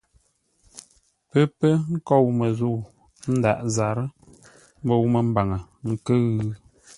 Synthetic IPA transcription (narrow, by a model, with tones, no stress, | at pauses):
pə˦pə˦ŋ̩˦kɔ˦˨wmə˨zo˦˨ | n̩˦da̰˨ʔza˨ɾə˦ | m˦bə˦˨wmə˨m̩˦ba˨ŋə˨ŋ̩˨kə˦ɣʉ˦